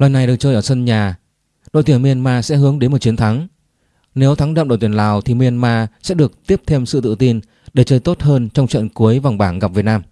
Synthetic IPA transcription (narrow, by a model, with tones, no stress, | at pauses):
laː˨˩jna˨˩jɗɨ˨˩ək̚t͡ɕəː˧jʔəː˧˩sə˧nɲaː˨˩ | ɗo̰˧˨jt̪i˧˩ənmi˧ə˧nmaː˧sɛ̰˧˥ɦɨ˨˦əŋɗe˨˦nmo˨˩t̚t͡ɕi˨˦ənt̪ʰa˨˦ŋ | ne˨˦wt̪ʰa˨˦ŋɗə̰˧˨ŋ͡mɗo̰˧˨jt̪i˧˩əlaː˨˩wt̪ʰi˨˩mi˧ənmaː˧sɛ̰˧˥ɗɨ˨˩ək̚t̪i˦˥əp̚t̪ʰe˧msɨ̰˧˨t̪ɨ̰˧˨t̪i˧n | ɗe˧˩t͡ɕəː˧jt̪o˦˥t̚həː˧nt͡ɕɔ˧wŋ͡mt͡ɕə̰˧˨nku˨˦əjva˨˩wŋ͡mɓaː˧˩nɣa˨˩p̚vt̚naː˧m